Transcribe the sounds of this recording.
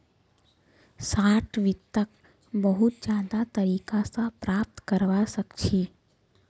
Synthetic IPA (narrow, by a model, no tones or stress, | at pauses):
saːʈʰʋɪt̪ːək | bəɦʊt̪̚d͡ʒãːd̪at̪ɐɾiːkasapɾaːp̚t̪kəɾʋasɐkt͡ʃʰiː